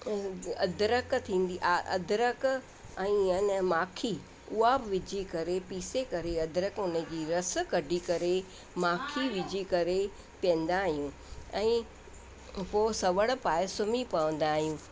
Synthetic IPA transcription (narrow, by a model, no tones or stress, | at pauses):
ɐd̪ɾəkt̪ʰĩːn̆d̪iʔaʔɐ̰d̪ʱɪɾək | ɛ̃ːnmaːkʰi | ʊɦabɪʋɪd͡ʑʱikɐɾepiːsekɐɾeɐd̪ʱɾəkʊnə̆d͡ʑiːɾɐs̆kɐɖʱikɐɾe | maːkʰiʋɪd͡ʑʱikɐɾe | piə̃n̆d̪aːɦijũː | ɛ̃ː | poːsɐʋəɽ̃̆paːɪsʊmipɐʋə̃nd̪aːɦijũː